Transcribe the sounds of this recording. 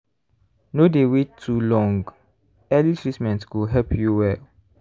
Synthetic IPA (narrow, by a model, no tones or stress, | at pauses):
nodewetʰːulɔ̃ŋɡ | ɛlikɹismɛ̃ntkuɦɛpʰjuwɛl